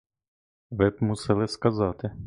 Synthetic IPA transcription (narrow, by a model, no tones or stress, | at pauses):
ʋɪbmusɛlˠɪskazɑt̪ɪ